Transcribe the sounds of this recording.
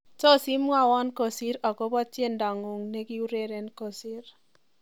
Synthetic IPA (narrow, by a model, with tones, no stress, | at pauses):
tɔ˦˨si˦m˦a˦˨wɔ˦nko˨si˦ɾɔ˨ko˦bɔ˦tje˦˨nda˨ŋʊ˨ŋne˦ki˦u˦ɾe˦ɾe˦nko˨si˦ɾ